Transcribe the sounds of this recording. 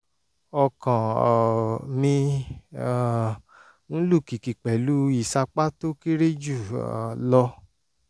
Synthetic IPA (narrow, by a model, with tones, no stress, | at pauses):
ɔ˧kã˨ | mĩ˧˨ | n̩˦lu˦˨ki˨ki˨k͡pɛ˨lu˦i˦˨sa˧k͡pa˦to˦ki˦ɾe˦d͡ʒu˦˨lɔ˧